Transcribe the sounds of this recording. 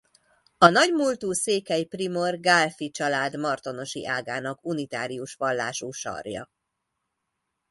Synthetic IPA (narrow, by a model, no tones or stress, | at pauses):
ɒnɒɟmult̪uːseːkɛjprimo̞rɡaːlfit͡ʃɒlaːd̪mɒrt̪o̞no̞ʃḭʔaːɡaːnɒkunit̪aːɾiuʃʋɒlːaːʃuːʃɒ̰rjɒ̰